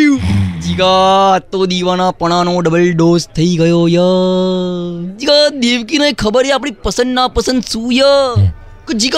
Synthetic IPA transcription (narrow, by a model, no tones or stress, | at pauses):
d͡ʒiɡat̪ːod̪iʋanapəɽ̃anoɖəbəlɖozt̪ʰəiɡəjojə | d͡ʒiɡad̪eʋkinəekʰəbəɾjeapɳ̃ipəsə̃nd̪napəsə̃nd̪sũjə | kod͡ʒiɡ